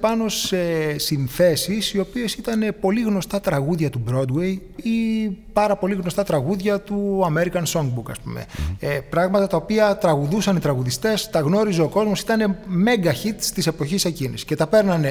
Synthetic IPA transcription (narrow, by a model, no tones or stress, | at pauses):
pɐno̞se̞sinθe̞sisio̞pie̞sit̪ɐne̞po̞liɣno̞st̪ɐt̪ɾɐɣuðʝɐt̪ubɾo̞d̪wejipɐɾɐpo̞liɣno̞st̪ɐt̪ɾɐɣuðʝɐt̪uɐme̞ɾikɐnso̞ŋɡ̚bukɐ̰spumḛpɾɐɣmɐt̪ɐt̪ɐopiɐt̪ɾɐɣuðusɐnit̪ɾɐɣuðist̪e̞st̪ɐɣno̞ɾize̞o̞ko̞zmo̞sit̪ɐne̞me̞ŋɡɐçit̪st̪ise̞po̞çise̞cinḭsce̞t̪ɐpe̞ɾnɐne